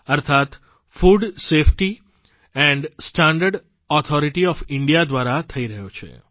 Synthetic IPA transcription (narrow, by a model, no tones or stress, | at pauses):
əɾt̪ʰat̪ | fuɖsefʈi | ɛ̃ɳɖsʈãɳɖəɾɖ | ɔt̪ʰɔɾiʈiɔfɪɳɖijad̪ʋaɾat̪ʰəiɾəɦjot͡ʃʰḛ